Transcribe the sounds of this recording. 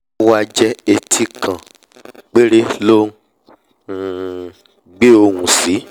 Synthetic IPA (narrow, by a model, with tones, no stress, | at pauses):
wa˧d͡ʒɛ˧e˨tʰi˧kã˨ | k͡pe˦ɾe˦lo˦˨ | ɡ͡be˦o˧wũ˨si˨˦